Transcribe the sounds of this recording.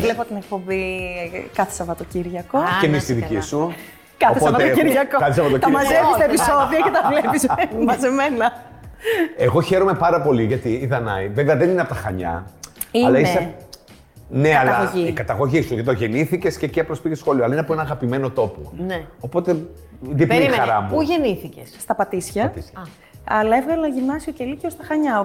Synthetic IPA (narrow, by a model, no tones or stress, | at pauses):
vlepot̪inek̚po̞bi | kɐθi̥sɐvɐt̪ociɾʝɐkocemist̪iðicisu | kɐospoɐtet̪iɾʝɐkokɐθisɐvɐt̪ot̪ɐimɐzefist̪ɐepiso̞ðiɐcɐt̪ɐvlepismɐzemenɐ | eɣo̞çe̞ɾo̞me̞pɐɾɐpo̞liʝɐt̪iːðɐnɐiveveɐðenineɐpot̪ɐxɐ̰ɲɐ̰iɐlɐise | neɐlɐɐiikɐt̪ɐɣo̞ʝist̪uðɐt̪oʝe̞niθice̞sceciɐpoɾospicesxo̞lioɐlɐineɐpoenɐɣɐpime̞no̞t̪o̞po̰neopo̞t̪e̞ | ðipiɐɾɐmuuʝeniθicesst̪ɐpɐt̪isçɐt̪s | ɐlɐevɣɐlɐʝimnɐsioceliceost̪ɐxɐɲɐo